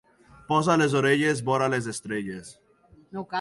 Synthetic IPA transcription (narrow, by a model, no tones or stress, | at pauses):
pɔzalezoɾeʎezbɔɾalez̬est̪ɾeɟes